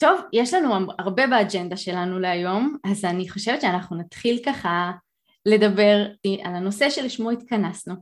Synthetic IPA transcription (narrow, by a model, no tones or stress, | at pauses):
t̪o̞vjeʃlanuaʁbe̞beːd͡ʒend̪aʃe̞lanuleajo̞mazaniχo̞ʃevetʃeanaχnunat̪χilkaχa | le̞dabe̞ʁiʔalano̞se̞ʃelʃmoit̪kanasnu